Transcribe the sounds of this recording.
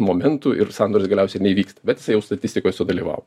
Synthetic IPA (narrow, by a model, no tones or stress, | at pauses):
moːmʲɛnt̪uɪ̰rsɑnd̪oːɾʲsɡɐlʲɛʊsʲɛɪnʲɛiʋʲiːkst̪ɐ̥bʲɛt̪jɪsɐɪjɛʊst̪ɐt̪ʲɪsʲt̪ʲɪkoːjsʊd̪ɐlʲiːʋɑ̰ʋo